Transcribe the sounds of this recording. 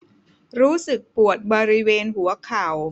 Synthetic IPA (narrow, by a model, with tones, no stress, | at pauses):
ɾuː˦˥sɯ˨˩k̚pu˨˩ət̪̚bɔː˧ɾi˦˥weː˧nhu˩˦ɐkʰa˨˩w